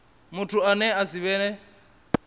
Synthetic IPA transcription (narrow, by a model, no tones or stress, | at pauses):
mʊtʰuanɛasiβɛːnɛ